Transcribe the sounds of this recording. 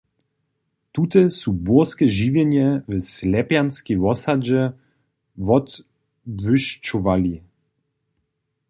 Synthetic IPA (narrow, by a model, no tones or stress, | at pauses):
t̪ut̪ɛsubɔskɛʒivʲjɛɲɛvɛslɛpjanskʲijvɔsad͡ʑɛ | vɔt̪ | vʏʃt͡ʃuvalʲi